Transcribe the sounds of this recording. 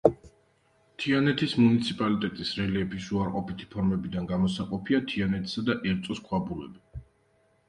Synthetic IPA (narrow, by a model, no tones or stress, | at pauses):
t̪ʰianɛt̪ʰismunit̪sʰipʼalit̪ʼɛt̪ʼisɾɛliɛpʰisuaɾqʼɔpit̪ʰi̥pʰɔɾmɛbid̪anɡamɔsaqʼɔpʰiat̪ʰianɛt̪ʰsad̪aʔɛɾt̪sʼɔskʰwabulɛ̰bi